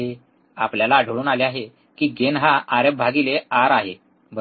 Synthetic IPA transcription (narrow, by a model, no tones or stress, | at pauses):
e | a̰pljalaːɖʱəɭuːnaleaɦe | kiːɡenɦaaɾəb̚bʱaɡileaɾaɦe | bə